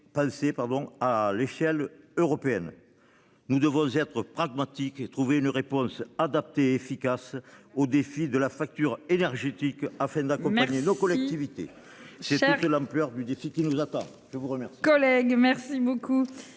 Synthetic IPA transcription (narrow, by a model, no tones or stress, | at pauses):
pɑ̃sepaʁd̪ɔ̃aleʃɛløʁɔpeɛn | nud̪əvɔ̃zɛt̪χəpχaɡmat̪iket̪χuveynəʁepɔ̃sad̪ap̚t̪eːfikasod̪efid̪əlafak̚t̪yʁenɛʁʒet̪ikafɛ̃d̪akɔ̃paɲenokɔlɛk̚t̪ivit̪ḛ | sɛt̪ut̪lɑ̃mplœʁd̪yd̪efikinuzat̪ɑ̃ | ʒ̥əvuʁəmɛʁsikɔlɛɡmɛʁsiboku